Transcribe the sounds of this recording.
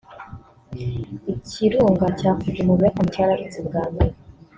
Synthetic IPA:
icʰiɾuːŋɡacaːfuzimuβakamucaɾaʔit͡sibɡaːmbeɾe

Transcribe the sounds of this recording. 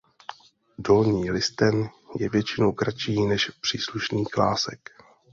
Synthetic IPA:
do̞lɲiːlɪst̪ɛnjɛvjɛt͡ʃɪnowkɾat͡ʃiːnɛʃpr̝̥iːsluʃniːklaːsɛ̰k

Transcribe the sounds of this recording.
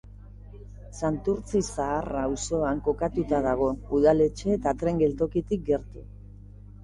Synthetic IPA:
sant̪uɾt͡sisaːrawso̞aŋko̞kat̪ut̪að̞aɣ̞o̞uðale̞t͡ʃe̞ːt̪at̪ɾe̞ŋɡe̞lt̪o̞kit̪ik̚ɡe̞ɾt̪u

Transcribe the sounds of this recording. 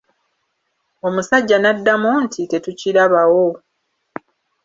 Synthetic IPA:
o̞musaɟːanadːamontʰite̞tuciɾaβawo̞

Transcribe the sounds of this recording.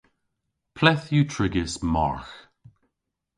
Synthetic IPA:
pʰlɛθjutʰɹɪɡɪsmɔ̰ɹx

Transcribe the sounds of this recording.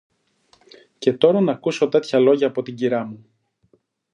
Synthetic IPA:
ce̞t̪o̞ɾɐnɐkuso̞t̪e̞t̪çɐlo̞ʝɐːpo̞t̪iɟiɾɐmu

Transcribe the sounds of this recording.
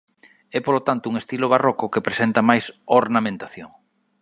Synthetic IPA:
ɛpolot̪ant̪ʊuŋest̪iloβarɔkokepɾesent̪ɐmajsoɾnamẽnt̪aθjoŋ

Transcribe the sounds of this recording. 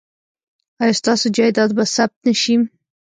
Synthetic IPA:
ajɑst̪ɑsod͡ʒɑjd̪ɑd̪̚basab̚t̪nəʃim

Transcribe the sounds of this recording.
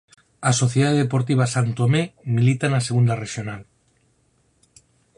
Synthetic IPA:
aso̞θjeðaðepo̞ɾt̪iβ̞asant̪omemilit̪anaseɣ̞und̪areʃjonal

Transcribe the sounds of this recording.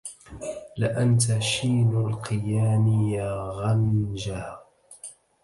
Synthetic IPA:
lɪʔant̪aʃiːnalqɨjaːmɪjaːɣand͡ʒaː

